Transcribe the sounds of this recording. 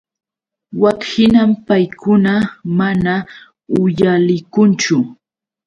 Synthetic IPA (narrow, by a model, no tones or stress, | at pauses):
wakhɪnampajkʊnamana | ʊjalɪkʊnt͡ʃʊ